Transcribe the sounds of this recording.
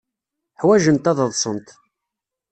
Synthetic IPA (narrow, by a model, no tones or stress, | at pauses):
ħwæʒənt̪æðəðˤsˤənt̪